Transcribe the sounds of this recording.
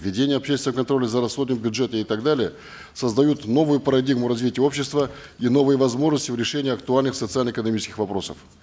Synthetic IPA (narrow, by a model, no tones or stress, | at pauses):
vʲɪdʲenʲɪjəɐpɕest̪ʲɪnəkɐnt̪ɾo̞lʲɪzəɾɐsxod̪nəmbʲʊʐɛt̪əɪt̪aɡd̪alʲɪjə | səzd̪ɐjut̪no̞vʊjʊpəɾɐdʲiɡmʊɾɐzvʲitʲɪjəo̞pɕːɪst̪və | ino̞vɨjəvɐzmo̞ʐnəsʲtʲɪvɾʲɪʂɛnʲɪɐk̚t̪ʊalʲnɨxsət̪sɨalʲnəɪkənɐmʲit͡ɕɪskʲɪxvɐpɾo̞sə̰f